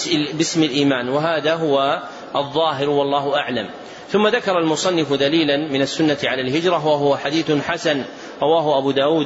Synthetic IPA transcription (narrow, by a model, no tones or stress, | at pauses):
bɪsmɪlʔiːmaːnwaɦaːðaːɦʊwa | ʔɑðˤːɑːɦɪɾwɑlˤːɑːhʊʔaʕla̰m | θʊmːaðakɑɾˤɑlmʊsˤɑnːɪfd̪aliːlanmɪnasːʊnːat̪ɪʕalaːlɦɪd͡ʒɾˤɑwaɦʊwaħad̪iːθʊħasan | ɾˤɑwaːɦʊʔabuːd̪aːwuːd̪